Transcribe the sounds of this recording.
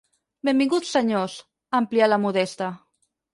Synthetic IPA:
bembiŋɡut̪sːəɲos | əmplialamuðɛst̪a

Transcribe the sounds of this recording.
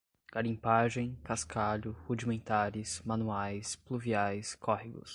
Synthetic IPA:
ɡ̥aɾĩpaʒẽj̃kaskʰaʎʊhud͡ʒimẽnt̪aɾɪsmãnuajspluviajskɔhiɡʊ̰s

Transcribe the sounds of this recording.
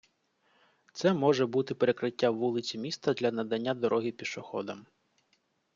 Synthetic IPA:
t̪sɛmɔʒɛbut̪ɪpeɾekɾɪtʲːawːulˠɪt͡sʲimʲist̪ɐd̪lʲɐnɐd̪ɐnʲːad̪ɔɾɔɦipʲiʃɔxɔ̰d̪ɐm

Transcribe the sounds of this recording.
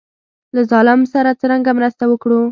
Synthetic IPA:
lazɑlɪmsaɾat͡səɾaŋɡamɾast̪awəkɽu

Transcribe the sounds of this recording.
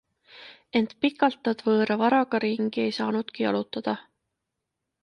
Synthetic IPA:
e̞nt̪pikːˑɑlt̪ːˑɑd̪̥vɤːɾɑvɑɾɑɡ̥ɑɾiŋɡ̥ie̞jsɑːnud̪̥kiɑ̰lut̪ːˑɑd̪̥ɑ

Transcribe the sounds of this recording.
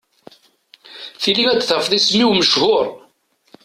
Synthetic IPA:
θiliŋæt͡sːθəɾfðˤismiwməʃhʊɾ

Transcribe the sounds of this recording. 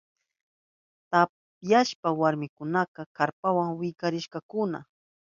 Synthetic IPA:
t̪a | pjaʃpawaɾmɪkʊnaqɑkaɾpawaŋwɪkaɾɪʃkɑkʊna̰

